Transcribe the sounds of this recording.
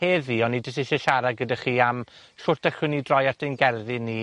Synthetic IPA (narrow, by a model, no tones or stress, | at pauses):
heːðiɔnːidəsɪʃɛʃaɾaɡədaχiːam | ɬʊrtaɬɪnidrɔjartenɡɛrðɨni